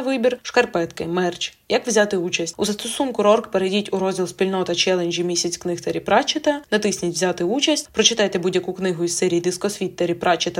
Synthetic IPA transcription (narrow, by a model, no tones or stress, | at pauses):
ʋɪbʲirʃkɐrpɛt̪kɪmɛrt͡ʃjɐkʋzʲat̪ɪut͡ʃɐsʲtʲuzɐst̪ɔsunkʊɾɔrkpeɾedʲitʲuɾɔzʲdʲilˠsʲpʲilʲnɔt̪ɐt͡ʃɛlˠenʲʒʲimʲisʲɐt͡sʲknɪxt̪ɐɾʲipɾɑt͡ʃɪt̪ɐnɐt̪ɪsʲnʲitʲʋzʲat̪ɪut͡ʃɐsʲtʲpɾɔt͡ʃɪt̪ɑjt̪ebudʲjːɐkuknɪɦʊissɛɾʲijːd̪ɪskɔsʲʋʲit̪ːɐɾʲipɾɑt͡ʃɪt̪ɐ